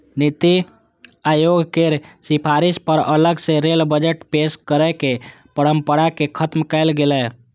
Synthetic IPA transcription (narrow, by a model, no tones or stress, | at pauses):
nit̪i | ajoɡkeɾsipʰaɾispəɾələɡseɾelbəd͡ʒəʈpeskəɾɛke | pəɽə̃mpəɽakekʰət̪mkɛɪlɡelɛ